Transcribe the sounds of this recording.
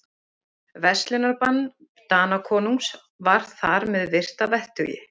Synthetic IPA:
vɛst̪lɪnaɾpanː | t̪aːnakʰɔːnuŋks | vaɾ̥θaɾmɛðvɪr̥t̪avɛht̪ʏ̰jɪ̰

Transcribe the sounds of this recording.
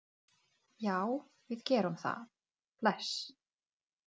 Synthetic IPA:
jaːw | vɪðcɛːɾʏmθa̰ | plɛs

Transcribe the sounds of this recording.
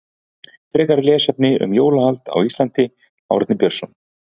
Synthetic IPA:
fɾɛːkaɾlɛːsɛp̚nɪʏ̰mjoːwlahalt̪a̰wist̪lant̪ɪ | a̰wɾɛt̪nɪpjœɾ̥sɔm

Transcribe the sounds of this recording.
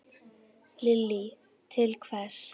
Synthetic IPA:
lɪlːi | t̪ʰɪlkʰvɛs

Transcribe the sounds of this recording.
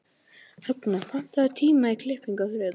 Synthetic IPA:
hœknafan̥t̪aðt̪ʰiːmaikʰlɪhpiŋkaθɾɛː

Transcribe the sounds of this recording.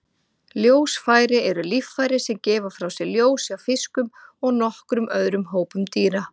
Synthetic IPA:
ljoːwsfaːjɾɪɛɾʏliffajɾɪsɛmcɛːvafɾawsɛɣljoːwsawfɪskʏmɔɣnɔhkɾʏmʔœðɾʏmɦoːwpʏmt̪iːɾa

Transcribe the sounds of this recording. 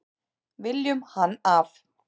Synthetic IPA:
vɪljʏmhanːaf

